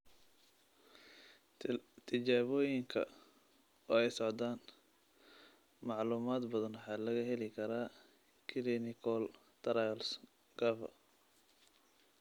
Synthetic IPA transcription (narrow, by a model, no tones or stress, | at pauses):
t̪ʰɪt͡ʃaːβɔːjɪŋkʰɐ̰ | ɔːɛjsɔʕd̪aːn | mɑʕluːmaːd̪bɐðɐnwħɑːlɐɣɐɦɛlɪkʰɐɾaː | kʰɪlinɪkʰɔl | t̪ʰɐɾajls | ɡ̥ɐfɐ̰